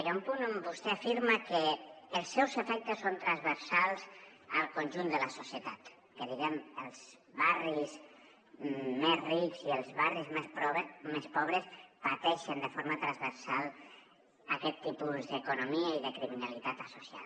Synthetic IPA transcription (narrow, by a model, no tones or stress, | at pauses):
eɾaumpunəmbust̪ɛafiɾməkəːlˠsːɛwzəfɛk̚t̪əsːont̪ɾanzβəɾsalˠzəlˠkonʲʒund̪ələsusjət̪at̪ | kəðiɣɛməlˠz̥ | βariz | mezrikziəlˠzβarizmemespɔβɾəspat̪ɛʃənd̪əfoɾmət̪ɾanzβəɾsalˠ | akɛt̪ːipuzðəkunomiəiðəkɾiminalit̪at̪əsusja̰